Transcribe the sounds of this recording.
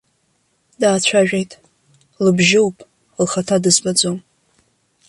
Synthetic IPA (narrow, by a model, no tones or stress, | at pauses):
daːt͡ɕʷʰaʒᶣe̞jtʼ | lɨbʒɪwpʼ | lχatʰadɨzbad͡zom